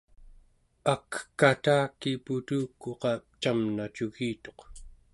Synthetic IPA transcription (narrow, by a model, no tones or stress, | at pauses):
akkat̪aːkːiput̪uːkːoqɑp̚t͡ʃamnat͡ʃuɣiːt̪o̞q